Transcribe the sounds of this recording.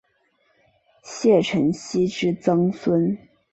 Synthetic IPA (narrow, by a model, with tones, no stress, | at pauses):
ɕjɛ˥˩ʈ͡ʂʰə˧˥ŋɕi˥ʈ͡ʂɻ̩˥t͡sɤ˥ŋswə˥n